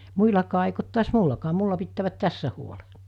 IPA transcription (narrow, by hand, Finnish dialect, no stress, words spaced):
muilɑkɑː eik ot tuɑs mulːɑkɑː mulːɑ pitːæːʋæt tæsːæ huole